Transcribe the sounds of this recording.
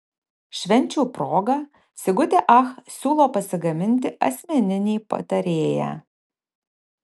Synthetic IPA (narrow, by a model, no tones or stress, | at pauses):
ʃʲʋʲɛnʲt͡ʃʲuːpɾoːɡɐ | sʲɪɡʊt̪ʲeʔɐxsʲuːlˠoːpɐsʲɪɡɐmʲɪnʲt̪ʲɪɐ̰sʲmʲɛnʲɪnʲiːpɐ̰t̪ɐɾʲeːjæ̰ː